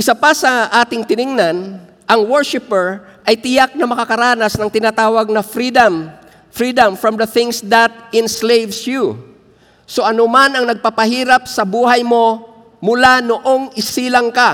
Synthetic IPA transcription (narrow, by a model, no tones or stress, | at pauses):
ʔɪsapasɐʔaːt̪ɪŋt̪ɪnɪŋnan | ʔɐŋwɛɹʃɪpɛɹ | ʔɐjt̪ɪjak̚nɐmɐkɐkɐɾaːnɐsnɐŋt̪ɪnaːt̪aːwɐɡ̚nɐfɾid̪ɐm | fɾiːd̪ɐmfɹɐmd̪ɐθɪŋsd̪ɐt̪̚ɪnslejvsju | so̞ʔɐnomanɐŋnɐɡ̚papɐhiːɾɐp̚sɐbuːhɐjmo̞ | mʊlanoʔo̞ŋɪsiːlɐŋka